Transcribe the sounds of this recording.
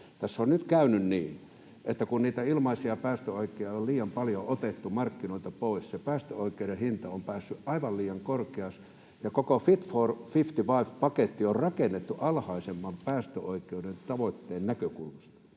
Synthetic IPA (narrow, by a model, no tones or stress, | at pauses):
t̪æsːonnyt̪kæynynniː | ʔet̪ːækunniːt̪æilmɑisiɑpæːst̪øoikːˑeijɑolliːjɑmpɑljoʔot̪et̪ːumɑrkːinoit̪ɑpoˑissepæːst̪øoikˑeudehint̪ɑompæːsːyʔʔɑiʋɑlliːjɑŋkorkeɑs | jɑkokofit̪foːrfift̪iʋɑiʋpɑket̪ːiorrɑkenːet̪ːuʔɑlhɑisemːɑmpæːst̪øoikˑeudent̪ɑʋot̪ːeːnnækøkulmɑst̪ɑ̥